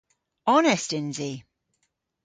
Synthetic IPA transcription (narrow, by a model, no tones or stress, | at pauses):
ɒnɪstɪ̃nzi